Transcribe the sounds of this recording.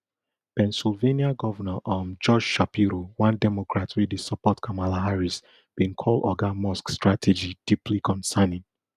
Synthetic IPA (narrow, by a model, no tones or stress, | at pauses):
pɛ̃nsilveniaɡɔvənaʔɔmd͡ʒɔd͡ʒʃapiɾowãndɛmɔkɹatʰwidisapɔtkʰamalaɦaɹis | b̥ĩnkʰɔlɔɡamɔskstɹatʰɛd͡ʒid̥iplikʰɔ̃nsanĩŋ